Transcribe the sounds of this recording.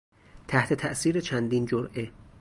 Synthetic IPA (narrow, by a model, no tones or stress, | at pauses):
t̪ʰæht̪ʰe̞t̪ʰæʔsiːɾet͡ʃʰænd̪iːnd͡ʒoɾʔe̞